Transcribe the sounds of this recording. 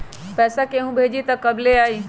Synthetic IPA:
pɛːsakeɦũbʱeːd͡ʒit̪ɐkɐbleaːi

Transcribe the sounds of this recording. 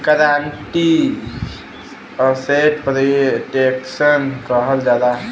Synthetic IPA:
kəɾaɳʈi | əseʈpɾiʈeksənkəɦəld͡ʒad̪a

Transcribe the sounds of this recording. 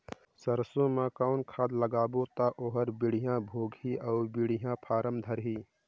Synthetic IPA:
səɾsõmakaʊnkʰaːd̪ləɡaːbot̪aʔoːɦəɾbɪɽ̤ijãbʱoːɡɦiaːbɪɽ̤ɪjãpʰaːɾəmd̪ʱəɾɦiː

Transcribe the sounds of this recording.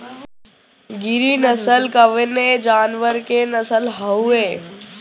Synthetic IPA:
ɡɪɾinəsəlkəʋened͡ʒaːnʋəɾkenɐsəlɦəueː

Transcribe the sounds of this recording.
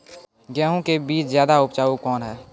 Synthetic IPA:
ɡjɛːɦõkebiːt͡ʃzjaːd̪aʊpt͡ʃaːukɔːnɦɛː

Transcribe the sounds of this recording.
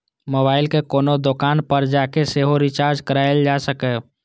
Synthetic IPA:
moːbaːɪlkekoːnod̪okaːnpəɾd͡ʒakeseːɦoɾɪt͡ʃaːɾd͡ʒkəɾaːɪld͡ʒasəkɛ

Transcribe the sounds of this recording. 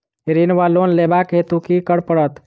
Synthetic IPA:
ɾinʋalonlebakɦet̪ukikəɽpəɽət̪

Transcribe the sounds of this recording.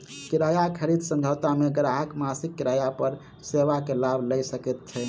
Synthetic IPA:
kiɾajakʰəɾid̪sə̃md͡ʒʱəwt̪ameɡəɾaɦəkmasikːiɾajapəɾ | seʋakelabʱləjsəkɛt̪̚t͡ʃʰɛ

